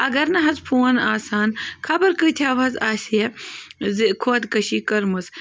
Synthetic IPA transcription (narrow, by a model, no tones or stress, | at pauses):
ɐɡɐɾnɐɦɐzpʰuːɐnaːsaːnkʰɐbɐɾkɨt̪ʰjaːʋɐzaːsijezikʰoːɐt̪kɐɕiːkɐɾmɨs